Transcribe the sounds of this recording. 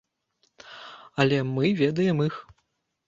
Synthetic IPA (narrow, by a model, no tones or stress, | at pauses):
ɐlʲɛmɨvʲɛd̪ɐjɛmix